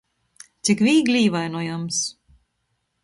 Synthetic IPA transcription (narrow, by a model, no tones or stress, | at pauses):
t̪sʲikvʲiːɡlʲiːvajnɔjams